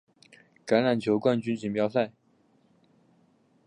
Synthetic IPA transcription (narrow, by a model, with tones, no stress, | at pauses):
ka˧˥nɻa˨˩nt͡ɕʰjo˧˥ʊkwa˥˩˧nt͡ɕy˥nt͡ɕi˨˩ŋpjɑ˥ʊsa˥˩ɪ